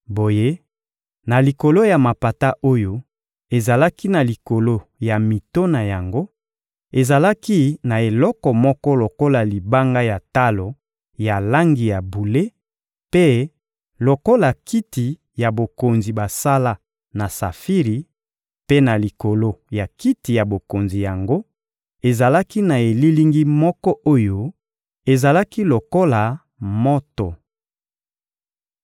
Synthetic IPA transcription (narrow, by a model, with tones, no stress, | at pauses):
bo˨je˦ | na˨li˨ko˨lo˦ja˨ma˨pa˨ta˦ʔo˦jo˦ | e˨za˨la˦ki˦na˨li˨ko˨lo˦ja˨mi˨to˦na˨ja˨ŋɡo˦ | e˨za˨la˦ki˦na˨e˨lɔ˦kɔ˨mɔ˦kɔ˦lo˨ko˦la˨li˨ba˦ŋɡa˦ja˨ta˦lo˨ | ja˨la˦ŋɡi˨ja˨bu˨le˦ | pe˦ | lo˨ko˦la˨kʰi˦ti˨ | ja˨bo˨ko˨nzi˨ba˨sa˦la˦ | na˨sa̰˨fi˦ʁi˨ | pe˦na˨li˨ko˨lo˦ja˨ki˦ti˨ja˨bo˨ko˨nzi˨ja˨ŋɡo˦ | e˨za˨la˦ki˦na˨e˨li˦li˦ŋɡi˦mɔ˦kɔ˦ʔo˦jo˦ | e˨za˨la˦ki˦lo˨ko˦la˨ | mɔ˦to˨